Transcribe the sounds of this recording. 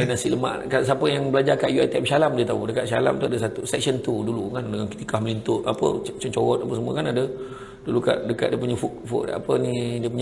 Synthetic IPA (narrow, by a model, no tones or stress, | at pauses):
anasiləma̰ʔkas̬apəjaŋbəlad͡ʒakaʔjuat̪ɛmsalamdiət̪audəkaʔ̪sala̰mt̪uadəs̬at̪usɛk̚sənt̪udulukandəŋanki̥t̪ikahməlint̪ʊʔapə̰t͡ʃənt͡ʃowɔt̪̚apəsəmuə̰kanadə | duluka̰ʔ̚dəka̰t̪̚diəpuɲafuʔfṵʔa̰pənidiəp̬uɲ